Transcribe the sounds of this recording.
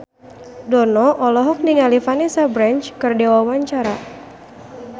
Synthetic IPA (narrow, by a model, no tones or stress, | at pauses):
dɔnɔʔɔlɔɦɔk̚niŋalifanesabɾant͡ʃkɨrdewawaɲt͡ʃaɾa